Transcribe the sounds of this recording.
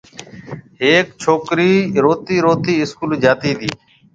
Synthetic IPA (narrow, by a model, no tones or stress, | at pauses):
ɦeːkt͡ʃʰoːkɾiːɾoːt̪iːɾoːt̪iːɪskuːld͡ʒaːt̪iːd̪iː